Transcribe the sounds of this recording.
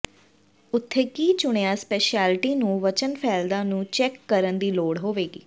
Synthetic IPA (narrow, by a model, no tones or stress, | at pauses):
ʊt̪ʰːeːkiːt͡ʃʊɽ̃eãːspɛːʃaːlʈiːnũːʋət͡ʃənpʰɛːld̪ãːnũːt͡ʃɛːkːəɾənd̪iːloːɽɦoːʋeːɡḭː